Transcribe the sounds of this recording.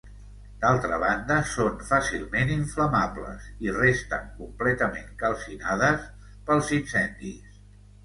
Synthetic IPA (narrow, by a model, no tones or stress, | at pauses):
d̪alˠt̪ɾəβ̞and̪əsonfasilˠmeniɱfləmaplə̰sirest̪ə̰ŋkumplɛt̪əmeŋkəlˠsinaðəs | pəlˠzinsɛnd̪is